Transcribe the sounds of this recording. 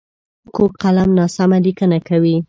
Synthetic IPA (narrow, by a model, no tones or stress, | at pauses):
kok̚qalamnɑsamalikənakawi